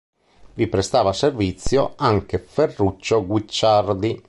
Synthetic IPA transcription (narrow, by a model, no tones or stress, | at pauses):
vipɾest̪aːvaservit̪sːjoaŋk̟eferːut͡ʃːoɡwit͡ʃːard̪i